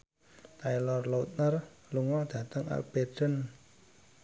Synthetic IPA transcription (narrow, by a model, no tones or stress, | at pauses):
t̪ajlɔrlot̪̚nərluŋɔd̪̥ä̤t̪əŋʔa̰k̚b̥edən